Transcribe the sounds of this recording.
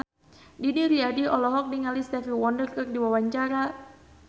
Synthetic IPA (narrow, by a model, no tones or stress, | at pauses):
diniɾiadiʔɔlɔɦɔk̚niŋalist̪ɛfiwɔndərkɨrdiwawaɲt͡ʃaɾa